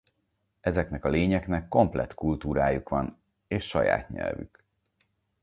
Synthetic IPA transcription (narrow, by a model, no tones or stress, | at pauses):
ɛzɛknɛkɒleːɲɛknɛkːo̞mplɛ̰t̪kult̪uːɾaːjukʋɒn | eːʃːɒ̰ja̰ːt̪ɲɛ̰lvy̰k